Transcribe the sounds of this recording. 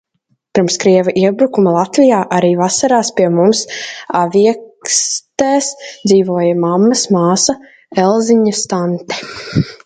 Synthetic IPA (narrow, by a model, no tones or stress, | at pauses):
piɾmskɾiɛvaʔiɛbɾukumalˠat̪vijaːʔaɾiːvasaɾaːspʲiɛmumsavʲiɛkst̪ɛːsd̪ziːvuɔjamamːɐsmaːsa | ɛlˠziɲast̪ant̪ɛ̥